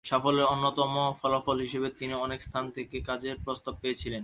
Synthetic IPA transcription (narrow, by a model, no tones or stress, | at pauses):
ʃafoleɾonːot̪ɔmofɔlafɔlɦiʃebet̪iniɔnekst̪ʰant̪ʰekekad͡ʑeɾpɾost̪ab̚peet͡ɕʰilen